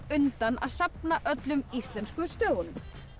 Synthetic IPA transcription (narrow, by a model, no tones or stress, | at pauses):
ʏnt̪ana̰ðsapnaʔœt̪lʏmist̪lɛnskʏst̪œːɣʏnʏm